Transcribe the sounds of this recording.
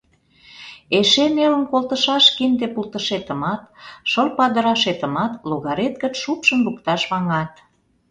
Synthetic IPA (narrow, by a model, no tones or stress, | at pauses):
eʃemelə̆nkolˠt̪əʃɑʃkind̪epult̪ə̆ʃet̪ə̆mɑt̪ʃəlpɑd̪ə̆ɾɑʃet̪ə̆mɑt̪loɣɑɾet̪̚kət͡ʃʃupʃənbukt̪ɑʃβɑŋɑt̪